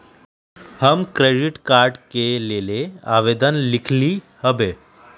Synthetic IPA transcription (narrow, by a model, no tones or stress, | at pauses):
həmkɾeɖiʈkaɾɖkelelea̰ʋed̪ənlikʰli | həbe